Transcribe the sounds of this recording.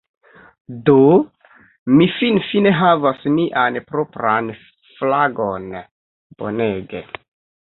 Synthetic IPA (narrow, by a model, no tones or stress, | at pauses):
do | mifinfine̞ɦavasmiʔanpɾo̞pɾan | flaɡo̞n | b̥o̞̰neɡḛ